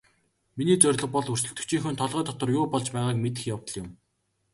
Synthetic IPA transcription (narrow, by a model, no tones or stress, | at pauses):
miniːt͡sœrʲɮɞ̆q̚pɔɮur̥t͡ɕɵ̆kt̪ɵ̆kt͡ɕʰiːŋxɵ̆nt̪ʰɔɮʁœːt̪ɔt̪ə̆rjʊːpɔɮt͡ɕpæːʁaːkmet̪̬ɘ̆xjawt̪ɞ̆ɮjʊm